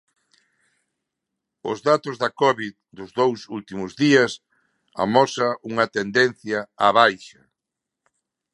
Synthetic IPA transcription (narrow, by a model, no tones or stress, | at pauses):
ʊzðat̪ʊzðɐkɔβið | d̪ʊzðowsult̪imʊzðiɐs | a̰mɔsɐʔuŋɐt̪end̪enθjɐːβajʃɐ